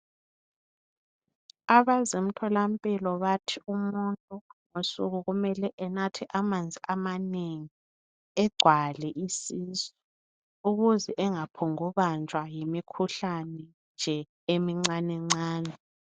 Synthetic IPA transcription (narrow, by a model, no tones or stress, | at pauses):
aβazem̩tʰɔlampʼilɔβatʰiumuntʼuŋosuɣuɣumɛlɛʔɛnatʰiʔamand͡zʱiʔamaneŋi | ɛɡ͡ǀʱwalɛʔisizɔ | uɣuzɛʔɛŋapʰɔŋuβand͡ʒʱʼwajemikʰuɬanɛ | nd͡ʒʱɛ | emiŋ͡ǀanɛŋ͡ǀaːnɛ